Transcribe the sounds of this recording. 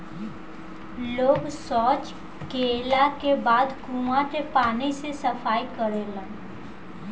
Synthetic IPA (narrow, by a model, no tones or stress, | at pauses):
loːɡsɔːt͡ʃ | keːlakebaːd̪kuːmaʈepaːnisesəfaːikəɾeːlãː